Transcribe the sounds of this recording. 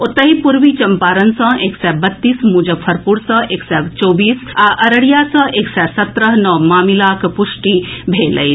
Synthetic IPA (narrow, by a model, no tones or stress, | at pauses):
ot̪ːəɦipuɾʋit͡ʃɐmpaːɾənsə̃eːksɛbət̪ːiːsmuːd͡ʒəbpʰɐɾpuɽsə̃eksɛt͡ʃoːbiːsaʔəɾəɽijasə̃ʔeːksɛsɐt̪ɾəɦnɔmaːmilakpusʈibʱeːlə̰j